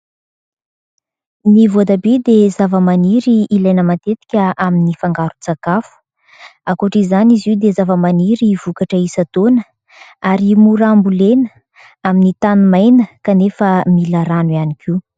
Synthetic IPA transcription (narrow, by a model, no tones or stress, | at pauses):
nivoad̪abed̪ezavəmaniɾiːlajnəmat̪et̪i̥kʲəaminifaŋɡaɾut͡sakafu̥ | akoʈ͡ʂizaniziwd̪ezavəmaniɾiv̥ukaʈ͡ʂəisat̪onə | aɾimuɾambulenə | aminit̪anumajnəkanefəmilaɾanwianikʰi